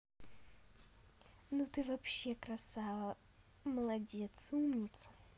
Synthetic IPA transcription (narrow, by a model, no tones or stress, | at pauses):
nut̪ɨvɐpɕːekɾɐsa | məlˠɐdʲet̪sumnʲɪt̪s